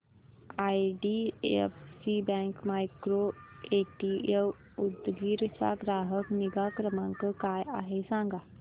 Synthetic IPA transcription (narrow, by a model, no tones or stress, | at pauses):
aːiɖiḛpsibɛ̃ːŋkmaːɪkɾoeːʈie | ʊd̪ɡiːɾt͡ʃa̰ɡɾaːɦəkniɡaːkɾəmãŋkkaːja̰ɦesãːŋɡaː